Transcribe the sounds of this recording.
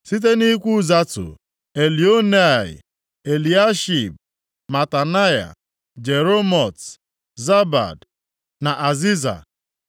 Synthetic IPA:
si˦t̬e˦ni˦kʷu˦za˦tʊ̰˨ | e˨li˨o˦ne˦˨ɪ̰˨ | e˨li˨a˦ʃi˨b̚ | ma˨ta˨na˦ja̰˨ | d͡ʒe˨ɾo˦mɔ˨t | za˦ba̰˨d | na˨ʔa˨zi˦za̰˨

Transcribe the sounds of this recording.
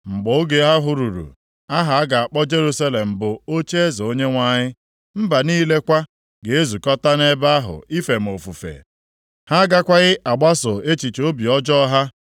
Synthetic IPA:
ŋ͡m̩˨ɡ͡bʊ˨˦ʊ˦ɡe˨ɦa˦ɦʊ˨ɾu˨ɾṵ˨ | a˦ɦa˨a˦ɡa˨a˨k͡pɔ˦d͡ʒe˦ɾu˦sa˦le˨m̩˨bʊ˨o˦t͡ʃe˦e˦zo˨o˦ɲe˦ŋʷa˦ɲɪ˦ | m̩˦ba˨niː˦le˦kʷa˦ | ɡe˨e˦zu˨kɔ˦ta˦ne˦ba˦a˦ɦʊ̰˨i˦fe˨m̩˨o˨fu˨fḛ˨ | ha˦ɡa˦kʷa˦ɣɪ˦ʔa˨ɡ͡ba˦sʊ˨e˦t͡ʃi˨t͡ʃo˦bi˨ɔ˦d͡ʒɔ˦ɦa˦

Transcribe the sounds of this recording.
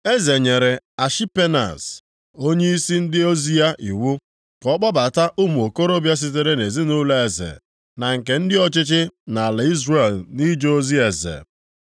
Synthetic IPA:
e˦ze˨ɲe˨ɾe˨a˨ʃi˦pe˦na̰˨s | o˦ɲe˦i˦si˦n̩˦dɪ˦o˦zi˦a˦ʔi˨wu˦ | kɔ˦k͡pɔ˦ba˨ta˦ʔʊ˦mu˨o˨ko˦ɾo˦bja˦s̬ɪ˦t̬e˦ɾe˦ne˨zi˦nʊ˦le˦e˨zḛ˨ | na˨ŋ̩˨ke˨n̩˦dɪ˦ɔ˦t͡ʃɪ˦t͡ʃɪ˦na˨la˨i˦zre˦˨lni˦d͡ʒo˦zi˦e˨zḛ˨

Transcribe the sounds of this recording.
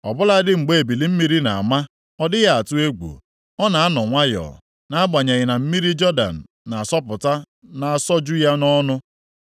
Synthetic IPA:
ɔ˨bʊ˦la˦dɪ˦ŋ͡m̩˨ɡ͡be˦e˨bi˨li˦m̩˦mi˦ɾi˦na̰˨a̰˨ma˦ | ɔ˦dɪ˦ja˦a˨tʊ˦e˦ɡo̰˨ | ɔ˦na˨a˦nɔ˨ŋʷa˦jɔ̰˨ | na˨˦a˦ɡ͡ba˨ɲe˨ɣɪ˨na˨m̩˦mi˦ɾi˦d͡ʒɔ˦da̰˨n̩˨ | na˨sɔ˦pʊ˨ta˦ | na˨a˨sɔ˦d͡ʒu˦ja˦nɔ˦nʊ˦

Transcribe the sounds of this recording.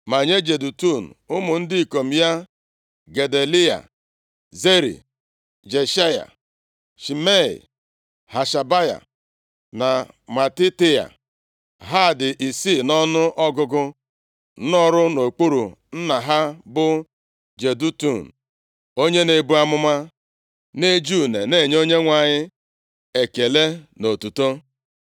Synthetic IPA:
ma˨ɲe˦d͡ʒe˨du˨tu˦˨n̩˨ʊ˦mʊ˨n̩˦dɪ˦i˨ko˨m̩˦ja˦ | ɡe˨de˨li˦a̰˨ | ze˦ɾḭ˨ | d͡ʒe˨ʃa˦ja̰˨ | ʃi˨me˦ḭ˨ | ha˨ʃa˨ba˦ja̰˨ | na˨ | ma˨ti˦tɪ˦a̰˨ | ɦa˦˨dɪ˨ʔi˨siː˦˨nɔ˦nʊ˦ʔɔ˦ɡʊ˦ɡʊ˦ | n˦ɔ˦ɾʊ˦no˨k͡pu˦ɾṵ˨ | n̩˦na˨ɦa˦bʊ˦ | d͡ʒe˨du˦tu˦˨n̩˨ | o˦ɲe˦ne˨bu˦a˦mʊ˦ma˦ | ne˦d͡ʒu˦ne˨ne˦˨ɲ˦o˦ɲe˦ŋʷa˨ɲɪ˦ | e˨ke˨le˦no˨tu˨to˦

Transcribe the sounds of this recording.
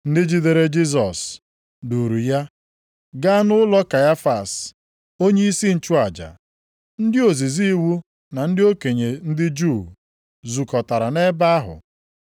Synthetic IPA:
n̩˦dɪ˦d͡ʒi˦de˨ɾe˦d͡ʒi˦z̬ɔ˨s | du˨ɾu˨ja˦ | ɡa˦nʊ˦lɔ˦ka˨ja˦fa˨s | o˦ɲe˦i˦si˦n̩˨t͡ʃu˦a˨d͡ʒa̰˨ | n̩˦dɪ˦o˨zi˨zi˦i˦wu˦ | na˨n̩˦dɪ˦o˦ke˨ɲe˨n̩˦dɪ˦d͡ʒu˦˨ | zu˨kɔ˨ta˨ɾa˨ne˦ba˦a˦ɦʊ̰˨

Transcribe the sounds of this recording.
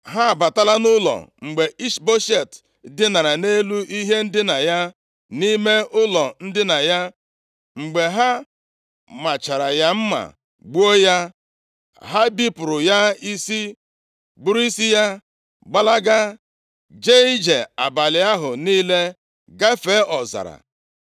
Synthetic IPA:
ɦa˦˨ba˨ta˦la˦nʊ˦lɔ̰˨ŋ͡m̩˨ɡ͡be˨i˦ʃbo˦ʃe˦˨t | dɪ˦na˨ɾa˨ne˦lu˦ʔi˦ɦe˦n̩˦dɪ˦na˨ja˦ | ni˦me˦ʔʊ˦lɔ˨n̩˦dɪ˦na˨ja˦ | ŋ͡m̩˨ɡ͡be˨ɦa˦ | ma˨t͡ʃa˨ɾa˨ja˦m̩˦ma̰˨ | ɡ͡bu˦o˦ja˦ | ɦa˦bi˦pʊ˨ɾʊ˨ja˦i˦si˦ | bu˦ɾi˦si˦ja˦ | ɡ͡ba˦la˦ɡa˦ | d͡ʒe˦i˦d͡ʒe˨a̰˨ba˨lɪ˨a˦ɦʊ˨niː˦le˦ | ɡa˦fe˦ʔɔ˨za̰˨ɾa̰˨

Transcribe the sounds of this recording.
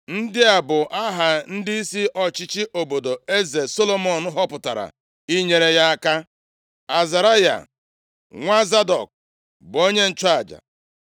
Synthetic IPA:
n̩˦dɪ˦a˨bʊ˨ʔa˦ɦa˨n̩˦dɪ˦i˦si˦ʔɔ˨t͡ʃɪ˦t͡ʃi˦ʔo˨bo˨do˨e˦ze˨so˦lo˦mɔ˨n̩˦ɦɔ˦pʊ˨ta̰˨ɾa̰˨ | i˦ɲe˨ɾe˨ja˦a˦ka˦ | a˨za˨ɾa˦ja̰˨ | ŋʷa˦za˦dɔ̰˨k̚ | bo˦ɲe˦n̩˦˨t͡ʃa˦a˨d͡ʒa̰˨

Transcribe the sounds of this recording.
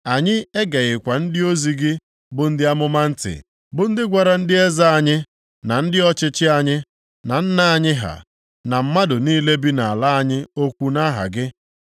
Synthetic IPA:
a˨ɲɪ˦e˦ɡa˨ɣɪ˨kʷa˨n̩˦dɪ˦o˦zi˨ɡɪ˦ | bʊ˨n̩˦dɪ˦a˦mʊ˦ma˦n̩˦tɪ̰˨ | bʊ˨n̩˦dɪ˦ɡʷa˨ɾa˨n̩˦dɪ˦e˦za˦a˨ɲɪ˦ | na˨n̩˦dɪ˦ɔ˦t͡ʃɪ˦t͡ʃɪ˦a˨ɲɪ˦ | na˨n̩˦na˦a˦˨ɲɪ˦ɦa̰˨ | na˨m̩˦ma˦dʊ˨niː˦le˦bi˦na˨a˨la˦a˦ɲɪ˦o˦kʷu˦na˦ɦa̰˨ɡɪ˦

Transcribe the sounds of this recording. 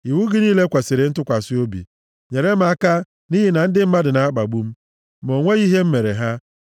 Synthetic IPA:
i˨wu˦ɡɪ˦niː˦le˦kʷa˨sɪ˨ɾɪ˨n̩˦tʊ˦kʷa˨sɪ˦o˦bḭ˨ | ɲe˨ɾe˦m̩˨˦a˦ka˦ | ni˦ɦi˦na˨n̩˦dɪ˦m̩˦ma˦dɪ˨na˨a˦k͡pa˨ɡ͡bu˦m̩˦ | mo˨ŋʷe˦i˦ɦe˦m̩˦me˨ɾe˨ɦa˦

